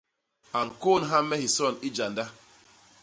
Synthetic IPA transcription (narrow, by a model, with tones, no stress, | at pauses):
a˨ŋ̩˨ko˦˨n˨ɦa˦mɛ˦hi˨sɔ˦˨ni˦d͡ʒa˨nda˦